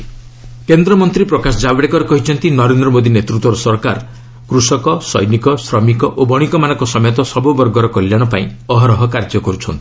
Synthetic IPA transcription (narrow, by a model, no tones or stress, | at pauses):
kend̪ɾɔmɔnt̪ɾipɾɔkasɔd͡ʒabɽekɔɾekɔɦit͡ʃʰɔnt̪inɔɾend̪ɾɔmod̪ʱinet̪ɾut̪wɔɾɔsɔɾkaɾ | kɾusɔkɔsɔ̰jnikɔsɾɔmikɔʔobɔɽ̃ikɔmanɔ̃ŋkɔsɔmɔjɔt̪ɔsɔbubɔɾɡɔɾɔkɔljaɽ̃ɔpaĩɔɦɔɾɔɦɔkaɾd͡ʒɔkɔɾut͡ʃʰɔnt̪i̥